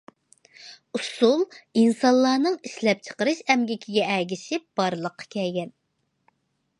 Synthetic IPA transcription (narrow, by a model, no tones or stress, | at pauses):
usulˠinsɑnlːˠɑːnɨŋiʃlɛp̚t͡ʃʰə̥qəɾɨʃɛmɡʲikʲʰiɡʲɛɛɡʲisɪb̥ɑɾlˠəqʰːɑ̥kʲʰɛlɡʲɛn